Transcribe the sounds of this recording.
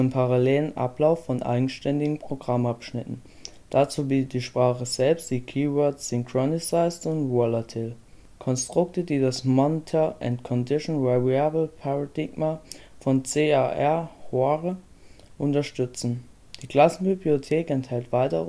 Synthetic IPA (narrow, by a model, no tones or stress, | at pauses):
əmpʰaʁaleːlənʔa̰plaʊfːɔnʔa̰ɪɡŋ̩ʃtɛndɪɡŋ̩pʁ̥oɡʁamapʃnɪtn̩ | d̥at͡suːbiːtət̚d̥iːʃpʁ̥aːχəzɛlpstd̥iːkʰiːvɔɐtsʏŋkʁ̥ɔnɪsaɪstʊntvɔlatʰɪl | kʰɔnstʁ̥ʊk̚tədiːdasmɔntʰɐʔɛntkʰɔndɪʃɔnvɛʁiabl̩pʰaʁadɪɡmafɔnt͡seːaʔɛɐhoaʁə | ʔʊntɐʃtʏt͡sn̩ | d̥iːɡlasn̩bibliotʰeːkɛnthɛltv̥aɪtə